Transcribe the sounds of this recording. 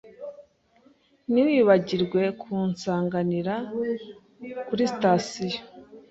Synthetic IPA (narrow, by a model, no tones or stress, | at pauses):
niwiːβaɟiɾɡwe̞kʰuːnsaːŋɡaniɾa | kuɾistaːsija